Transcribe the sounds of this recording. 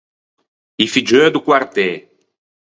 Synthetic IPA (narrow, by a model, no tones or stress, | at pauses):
ifid͡ʒød̪ukwart̪e